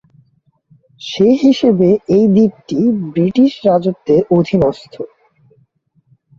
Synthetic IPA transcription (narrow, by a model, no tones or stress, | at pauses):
ʃeɦiʃebeejd̪ip̚ʈibɾiʈiʃɾad͡ʑop̚t̪ːeɾod̪ʱinɔst̪ʰo